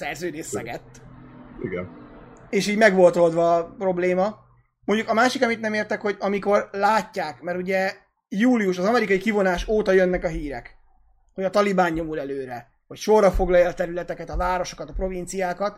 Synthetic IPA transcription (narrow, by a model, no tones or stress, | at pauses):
sɛrzøːd̪eːsːɛɡɛt̪ːḭɡɛ̰neːʃiːɟmɛɡʋo̞lt̪o̞ld̪ʋɒːprɾo̞bleːmɒ | moɲɟukɒmaːʃikɒmit̪nɛmeːrt̪ɛkho̞ɟɒmiko̞rlaːcːaːkmɛɾuɟɛ | juːliuʃɒzɒmɛɾikɒikivo̞naːʃoːt̪ɒjønːɛkɒɦiːɾɛ̰k | hoɟɒt̪ɒlibaːɲːo̞mulɛløːɾɛ | ho̞cʃorːɒfo̞ɡlɒjɛlt̪ɛɾylɛt̪ɛkɛt̪ɒvaːɾo̞ʃo̞̥kɒt̪ɒpɾo̞vint̪sijaːkɒt̪